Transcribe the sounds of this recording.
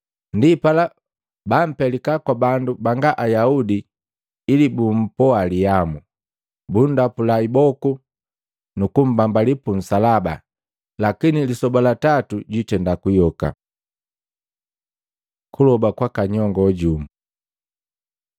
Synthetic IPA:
ndipala | bam̩pɛlikakwabandubaŋɡaʔajaudiː | libum̩pɔalijamu | bundapulaibɔku | nukum̩bambalipun̩salaba̰ | lakinilisɔbalatatuɟitɛndakujɔka̰ | kulɔbakwakaɲɔŋɡɔɟumu

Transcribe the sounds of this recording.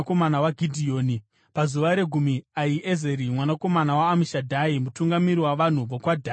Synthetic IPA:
komanawaɡʱidʱioːni | pazuʋaɾe̞ɡʱumiaiʔeze̞ɾimwanako̞manawaːmiʃadʱaimutuŋɡamiɾiwaʋan̤uʋokwadʱaː

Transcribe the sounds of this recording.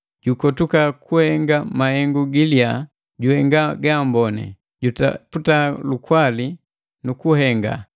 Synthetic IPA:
ɟukɔtukakuhɛŋɡamahɛŋɡuɡilia | ɟuhɛŋɡaɡambɔnɛ̰ | ɟuta̰putalukwali | nukuhɛŋɡa̰

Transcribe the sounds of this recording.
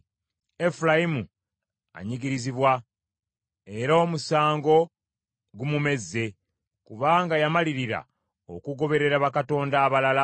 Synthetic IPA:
e̞fulajimu | a̰ɲiɡiɾiziβwa | e̞ɾomusaːŋɡo̞ | ɡumume̞zːe̞ | kuβaːŋɡajamaliɾiɾa̰ | o̞̰kuɡo̞βe̞ɾe̞ɾaβakato̞ːndaːβalala

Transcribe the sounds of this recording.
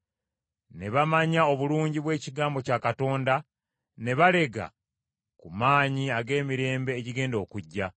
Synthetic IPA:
ne̞βamaɲao̞βuluːɲɟiβwe̞ːciɡaːmbo̞caːkato̞ːnda | ne̞βale̞ɡa̰ | kumaːɲiaɡe̞ːmiɾe̞ːmbe̞ːciɡe̞ːndo̞ːkuɟːa

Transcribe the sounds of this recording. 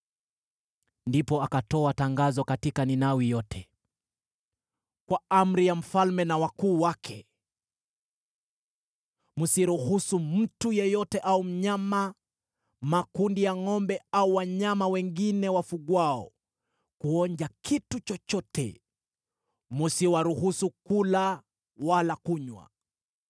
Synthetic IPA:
ndipɔakatɔataŋɡazɔkatikaninawijɔtʰɛ | kwaam̩ɾijam̩falmɛnawakuːwakʰɛ | musiɾuhusum̩tujɛjɔtɛʔaum̩ɲama | makundijaŋɔmbɛauwaɲamawɛŋɡinɛwafuɠwaɔ̰ | kuɔɲd͡ʒakʰitut͡ʃɔt͡ʃɔtɛ̰ | musiwaɾuhusukula | walakuɲwa̰

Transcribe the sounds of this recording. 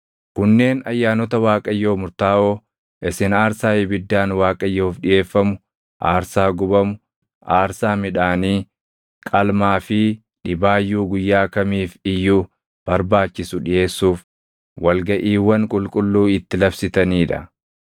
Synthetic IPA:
kʊnːe̞ːnɐjːaːnɔt̪ɐwaːkʼɐjːoːmʊɾt̪aːʔoː | ʔɪsɪnaːɾsaːjɪbɪd̪ːaːnwaːkʼɐjːoːfᶑɪje̞ːfːɐmʊ | ʔaːɾsaːɡʊbɐmʊ | ʔaːɾsaːmɪᶑaːniː | kʼɐlmaːfɪ | ᶑɪbaːjːuːɡʊjːaːkɐmiːfɪjːuː | b̥ɐɾbaːt͡ʃːɪsʊᶑɪje̞ːsːuːf | wɐlɡɐʔiːwːɐŋkʼʊlkʼʊlːuːɪt̪ːɪlɐbsɪt̪ɐniːᶑɐ̰

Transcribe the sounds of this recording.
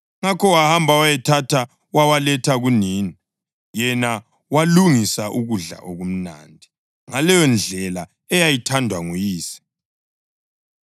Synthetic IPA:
ŋakʰɔwahambʱawajɛtʰatʰa | wawalɛtʰaɣuniːni | jɛna | waluŋisaʔuɣuɮa̰ʔoɣum̩na̰ːndʱi | ŋalɛjɔnd͡ɮʱɛla | ɛjajitʰandʱwaŋujiːsi̥

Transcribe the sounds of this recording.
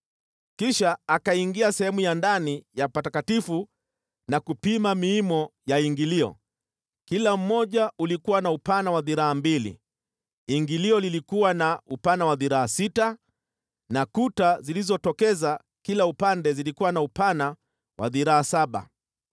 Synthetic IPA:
kiʃaːkaiŋɡiasɛhɛmujandanijapatakatifu | nakupimamiimɔjaiŋɡiliɔ̰ | kilam̩mɔʄaulikuwanaupanawaðiɾaambilḭ | iŋɡiliɔlilikuwanaupanawaðiɾaasita | nakutazilizɔtɔkɛza | kilaupandɛzilikuwanaupana | wa̰ðiɾaːsaɓa̰

